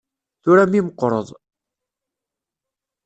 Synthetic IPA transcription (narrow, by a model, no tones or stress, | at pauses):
θuɾæmiməqːɾˤə̰ðˤ